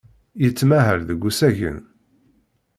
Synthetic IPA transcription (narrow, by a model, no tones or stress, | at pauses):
jət͡sːmæɦəɾðəɡʷːusæʝə̰n